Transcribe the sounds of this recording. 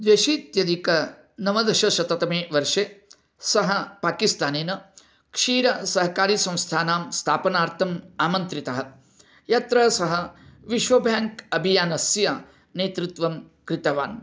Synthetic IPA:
d̪ʋeʃiːt̪jɐd̪ʱikɐ | nɐmɐd̪ɐʃɐʃɐt̪ɐt̪ɐmeːʋɐɾʂe | sɐɦɐpaːkist̪aːneːnɐ | kʂiːɾɐsɐɦɐkaːɾiːsɐ̃w̃st̪ʰaːnaːmst̪ʰaːpɐnaːɾt̪ʰɐmaːmɐnt̪ɾit̪ɐɦɐ̆ | jat̪ɾɐsɐɦɐʋiʃʋɐbʱjaːŋkɐbʱijaːnɐsjɐ | neːt̪ɾut̪ʋɐm | kɾit̪ɐʋa̰ːn

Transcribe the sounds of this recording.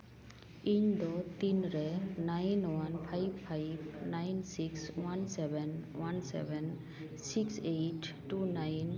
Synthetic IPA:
iɲd̪ɔt̪inɾɛnajnwanpʰajbpʰajbnajnsikswansɛbɛnwansɛ̰bɛn | sikseʈː | unajn

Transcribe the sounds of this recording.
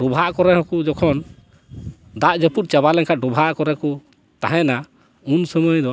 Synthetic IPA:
ɖubʱaʔkɔɾɛɦɔ̃kud͡ʒɔkʰɔn | d̪aʔd͡ʒəput̪̚t͡ʃaβalɛŋkʰaɖubʱaʔkɔɾɛku | t̪aɦɛ̃na | unsəməjd̪ɔ

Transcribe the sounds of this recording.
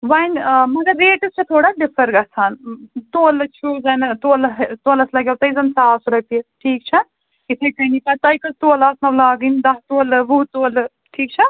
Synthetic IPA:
ʋɐnmɐɡɐɾːeːʈɐst͡ʃʰɐt̪ʰoːɽaɖipʰɐɾɡɐsʰaːnt̪oːlɨt͡ʃʰuzɐnɐt̪oːlɐɦt̪oːlɐslɐɡewt̪ɐjzɐnsaːsuɾɐpiʈʰiːk̚t͡ʃʰɐ | it̪ʰɐjkɐnikɐt̪ɐjkɐzt̪oːlaːsnɐwlaːɡɨnd̪ɐɦt̪oːlɨʋut̪oːlɨ | ʈʰiːkt͡ʃʰɐ

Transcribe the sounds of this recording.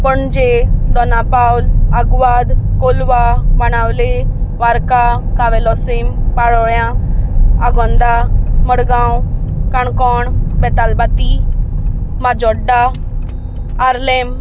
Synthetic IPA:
pəɳd͡ʑed̪ɔnapawlaɡʋad̪kolʋaʋanawleʋaɾkakaʋelɔsempaɭɔɭjã | aɡɔnd̪aməɽɡãwkaɳkɔɳbɛt̪albat̪i | mad͡ʑɔɖːa | ɾlem

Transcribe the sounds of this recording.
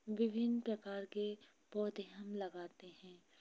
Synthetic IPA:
ʋɪbʱɪnpɾɐkaːɾke | bɔːt̪eɦəmlɐɡaːt̪ehɛ̃ː

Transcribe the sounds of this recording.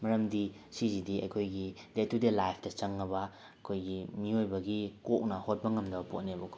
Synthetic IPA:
mɐɾɐmdisizidiɐ̰jkʰojɡidetudelajpʰdɐt͡ʃɐŋnɐbɐ | ɐkʰojɡimiojbɐɡikok̚nɐhot̚bɐŋɐmdɐbɐpot̚nebɐkʰo

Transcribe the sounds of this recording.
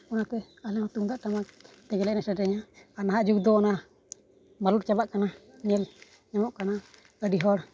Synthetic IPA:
ɔnat̪ɛ | alɛŋɔt̪uŋd̪aʔʈamak | t̪ɛɡɛlɛʔnɛsadɛɲaanaɦaʔd͡ʒuɡ̚d̪ɔɔna | maluɾt͡ʃabaʔkananɛl | ɲamɔʔkana | ədiɦɔɾ

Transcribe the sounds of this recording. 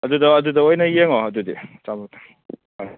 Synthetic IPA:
ɐdudɐɐdudɐojnɐjeŋoɐdudḭt͡ʃamɐktɐ̥ | hoj

